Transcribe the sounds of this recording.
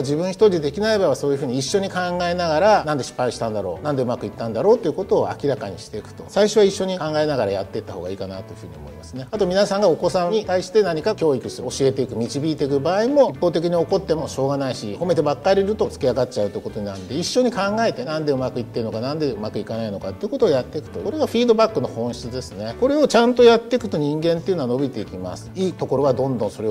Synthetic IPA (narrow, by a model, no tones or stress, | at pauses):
d͡ʑibɯ̟̃ɰ̃çi̥t̪o̞ɾʲid̪e̞kʲinaebaβaso̞ːjiɯ̟ɸɯ̟ːɲ̟iːɕːo̞ɲ̟ikãŋɡae̞naɡaɾanãnd̪e̞ɕi̥pːaiɕi̥t̪ãnd̪aɾo̞̰ːnãnd̪e̞ɯ̟makɯ̟it̪ːãnd̪aɾo̞ːt̪ːe̞iɯ̟ko̞t̪o̞ːa̰kʲiɾakaɲ̟ḭɕi̥t̪e̞ikɯ̟̥t̪o̞saiɕoβaiɕːo̞ɲ̟ikãŋɡae̞naɡaɾajat̪ːe̞it̪ːahoːɡaiːkanat̪o̞jiɯ̟ɸɯ̟ːɲ̟io̞̰mo̞̰imasɨne̞at̪o̞mʲinasãŋɡao̞ko̞sãɲit̪aiɕi̥t̪e̞naɲ̟ikakʲo̞ːikɯ̟sɨɾoɕie̞t̪e̞ikɯ̟mʲit͡ɕibʲiːt̪e̞ikɯ̟baːimo̞ipːoːt̪̬e̞k̬ʲiɲ̟io̞ko̞t̪ːe̞mo̞ɕo̞ːɡanaiɕḭho̞me̞t̪e̞bakːaɾʲiɾɯ̟t̪o̞t͡sɨ̥kʲiaɡat͡ɕaɯ̟t̪ojɯkot̪o̞ɲ̟inand̪e̞iɕːo̞ɲ̟ikãŋɡae̞t̪e̞nãnd̪e̞ɯ̟makɯ̟it̪ːe̞ɾɯno̞kanãnd̪eɯ̟makɯ̟ikanaino̞kat̪ːeiɯ̟ko̞t̪oːjat̪ːe̞kɯ̟̥t̪o̞oɾe̞ɡaɸʲiːd̪o̞bakːɯno̞hõ̞ɰ̃ɕi̥t͡sɨd̪e̞sɨne̞ko̞ɾe̞o̞t͡ɕãnt̪o̞jat̪ːe̞kɯ̟t̪o̞ɲ̟ĩŋɡẽ̞nt̪e̞iɯ̟noano̞bʲit̪e̞ikʲima̰sɨ̥iːt̪o̞ko̞ɾo̞βad̪õ̞nd̪õ̞so̞ɾe